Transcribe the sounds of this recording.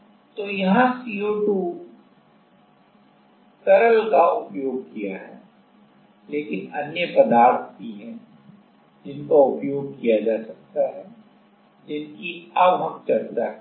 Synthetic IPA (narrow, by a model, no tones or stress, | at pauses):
t̪ojɐɦãsioːʈuː | t̪ɐɾəlkaʊpjoːɡ̚kijaɦɛː | leːkɪnɐnjəpɐd̪aːɾt̪ʰkiɦɛ̃ː | d͡ʒɪnkaʊpjoːɡ̚kijad͡ʒaːsɐk̚t̪aɦɛː | d͡ʒɪnkiɐbɦɐmt͡ʃɐɾt̪aɦɛ